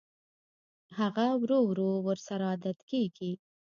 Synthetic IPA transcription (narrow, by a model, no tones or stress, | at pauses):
haɣawɾowɾowəɾsaɾad̪ad̪keɡi